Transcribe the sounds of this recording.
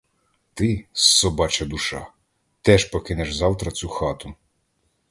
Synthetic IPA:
t̪ɪsːɔbɑt͡ʃɐd̪uʃɑ̰ | t̪ɛʃpɔkɪnɛʃzɑwt̪ɾɐt͡sʲuxɑt̪ʊ

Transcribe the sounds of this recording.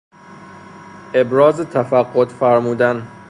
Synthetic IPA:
ʔe̞bɾɒːzet̪ʰæfæɡːot̪fæɾmuːd̪æn

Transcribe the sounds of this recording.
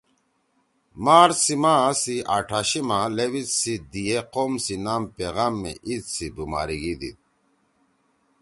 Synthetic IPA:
maːɾsimasiaːʈʰaɕimalewit͡ssid̪ieqoːmsinaːmpeɣaːmːḛʔit̪sibuma̰ːɾiɡid̪ḭt̪̚

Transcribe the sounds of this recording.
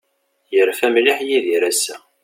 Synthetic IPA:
jəɾfæmliħjiðiɾæsːæ̰

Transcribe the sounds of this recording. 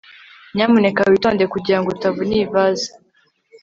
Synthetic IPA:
ɲaːmune̞kawito̞ːndekuɟiɾaŋɡoɾutavuniːvazḁ

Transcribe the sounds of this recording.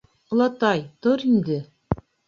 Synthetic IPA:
ŏlˠɑt̪ɑjt̪oɾind̪ɘ

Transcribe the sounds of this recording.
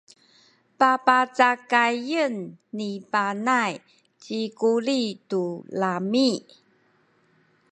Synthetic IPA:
papat͡sakajənːipanaj | t͡ɕikuɾitulami

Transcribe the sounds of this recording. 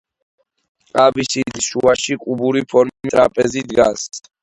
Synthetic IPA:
tʼɾabisid̪ʃuaʃikʼubuɾipʰɔɾmmʼɾapʼɛzid̪ɡa̰s

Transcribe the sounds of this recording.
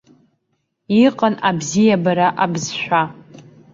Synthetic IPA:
iqʼənabzijabaɾaʔabzʃᶣʷa

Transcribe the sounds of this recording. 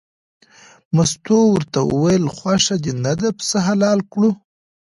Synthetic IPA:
mast̪owəɾt̪awə̰wajəlxwaʂad̪enad̪apə̥səɦalɑlkɽu

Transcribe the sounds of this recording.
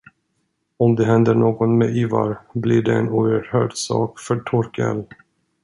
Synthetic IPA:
ɔmd̪ɛɦɛnd̪əɳoːɡɔnmɛʔyːva̰ɾbliɖɛɛnuːəɾhœːɖsɑ̰ːkfœʈʰɔɾkə̰l

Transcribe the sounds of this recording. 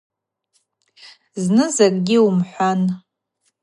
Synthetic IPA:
znɨzakʼɡʲiumħʷan

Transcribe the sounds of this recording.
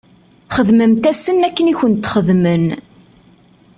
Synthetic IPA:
χəðməmt̪æsənːækːəniçənt̪χəðmən

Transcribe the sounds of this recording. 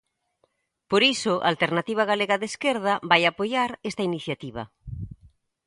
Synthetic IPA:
poɾisʊʔalt̪eɾnat̪iβ̞aɣaleɣaðeskeɾð̞ɐβajapojaɾest̪ainiθjat̪iβɐ̰

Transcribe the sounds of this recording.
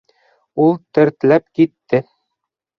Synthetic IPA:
ulˠt̪ɘ̆ɾt̪læpkit̪ːɘ

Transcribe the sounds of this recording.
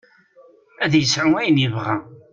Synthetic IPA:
æðjəsʕʊmæjənjəvʁæ̰

